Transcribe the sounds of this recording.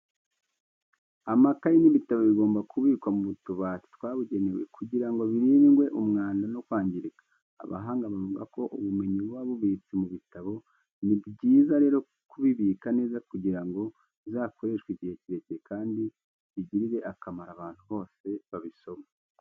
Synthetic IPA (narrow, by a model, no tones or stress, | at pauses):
amakajiniβitaβoβiɡo̞ːmbakʰuβiːkwamuβutuβaːti̥twaːβuɟe̞ne̞we̞̰kuɟiɾaŋɡo̞βiɾiːnŋɡwe̞ʔumŋaːndanokwaːɲɟiɾikḁ̰ː | βa̰ɦaːŋɡaβavuɡako̞ʔuβume̞ɲiβwaβuβiːt͡simuβitaβo̞ | nibɟiːzaɾe̞ːɾo̞ | kuβiβiːkane̞ːzakuɟiɾaŋɡo̞ | zaːko̞ɾe̞ʃkwiɟihe̞ciɾe̞ciekaːndi | βiɟiɾiɾe̞ʔakamaɾaβaːn̥huβo̞ːse̞βaβiso̞ma